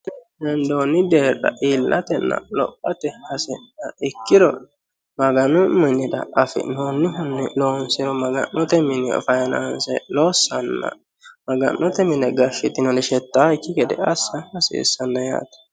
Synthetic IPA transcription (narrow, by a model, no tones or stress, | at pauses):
dɛnd̪oːnːɪd̪eːrɐ̰ʔiːlːʔɐt̪ɛnːɐ̰lɔ̰pʼːɐt̪ɛhɐsɛnːɐɪkːɪd̪ɔ | mɐɡɐnʊmɪnːɪd̪ɐ̰ʔɐfɪ̰noːnːɪɦʊnːɪloːnsɪɾɔmɐɡɐ̰nːɔt̪ɛmɪnɛɔ̰fɐjɐnaːnsɛ̰loːsːɐnːɐ̰ | mɐɡɐ̰nːɔt̪ɛmɪnɛɡɐʃɪt̪ːɪnɔdɛʃɛt̪ːaːɪkːɪkɛd̪ɛɐsːɐhɐsḛːsːɐnːɐja̰ːt̪ɐ̥